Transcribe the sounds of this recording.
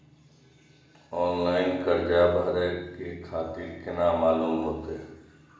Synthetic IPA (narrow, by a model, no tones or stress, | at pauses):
ɔːnlaːɪnkəɾd͡ʒabʱaːɾekekʰaːt̪iɾkɪnamaːluːmɦoːt̪e